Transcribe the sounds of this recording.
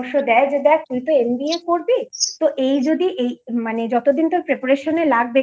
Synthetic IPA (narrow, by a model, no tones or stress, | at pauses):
ŋʃod̪ɛed͡ʑed̪ɛekulpoenbiekoɾbet̪oʔejd͡ʑod̪iʔejmaned͡ʑɔt̪od̪int̪oɾpɾepaɾeʃonelaɡ̚be